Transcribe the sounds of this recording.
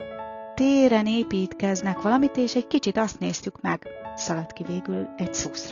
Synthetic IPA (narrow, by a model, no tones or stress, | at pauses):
t̪eːɾɛneːpiːt̪kɛznɛkʋɒlɒmit̪eːʃɛɟkit͡ʃit̪ɒst̪neːst̪ykmɛɡsɒlɒt̪kiveːɡylɛcsuːsr